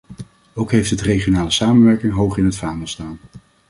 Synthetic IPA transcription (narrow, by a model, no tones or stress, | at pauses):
owkɦejftɦətrejχjonaːləsaːmənʋɛɹkɪŋɦowχɪnɦətfaːməlstaːn